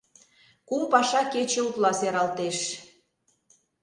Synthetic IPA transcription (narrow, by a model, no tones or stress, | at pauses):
kumpɑʃɑket͡ɕeut̪lɑseɾɑlt̪eʃ